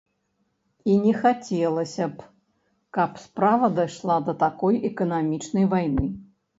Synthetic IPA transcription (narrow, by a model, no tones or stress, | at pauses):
inʲɛxat͡sʲɛlˠɐsʲɐp | kɐpspɾavɐd̪ajʂlˠad̪ɐt̪akɔjʔɛkɐnamʲit͡ʂnɐjvajnɨ